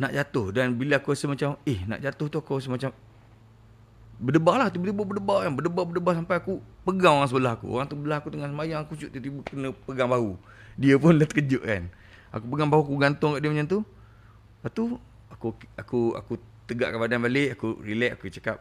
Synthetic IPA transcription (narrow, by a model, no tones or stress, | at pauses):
naʔd͡ʒat̪ʊhdanbiləakuasəhmat͡ʃamɪhna̰ʔd͡ʒat̪ʊht̪uakus̬əmat͡ʃam | bədəbaʔlaht̪̬ibət̪ibəbədəbakanbədəbaʔbədəbahsampajakupəɡaŋoɣaŋs̬əbəlaɦakṵo̰ɣaŋt̪ubəlaɦakut̪əŋansəmajaŋakusuʔt̪ut̪ibəkənə̃pəɡaŋbaɦu | diəpʊnlaht̪əkəd͡ʒʊʔka̰n | a̰kupəɡaŋbaɦuakuɡant̪ʊŋkaʔdiəmat͡ʃant̪u | pat̪u | akuakua̰kut̪əɡa̰ʔkabadanbaleʔakurilɛʔakut͡ʃəkap̚